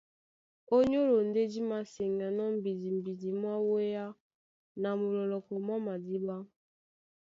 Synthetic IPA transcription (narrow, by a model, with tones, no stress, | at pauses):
o˦ɲo˦ɾo˨n̩˨de˦d͡ʒi˦ma˨si˨ŋ˨a˨nɔ˦m̩˦˨bi˨di˨m̩˨bi˨di˨mʷ˦a˦wo˦ja˦ | na˨mʊ˨lɔ˨lɔ˨ko˨mɔ˦ma˨di˦ɡ͡ba˦